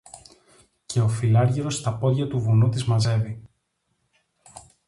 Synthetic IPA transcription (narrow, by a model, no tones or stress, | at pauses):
cʰe̞o̞filɐɾʝiɾo̞st̪ɐpo̞ðʝɐt̪uvunut̪izmɐze̞vi